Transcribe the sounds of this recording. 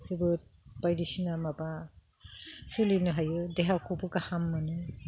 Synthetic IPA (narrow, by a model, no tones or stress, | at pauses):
sibɯt̚bajɾisinamaba | sulinɯɦajɯdeɦakʰubɯɡahamːɯnɯ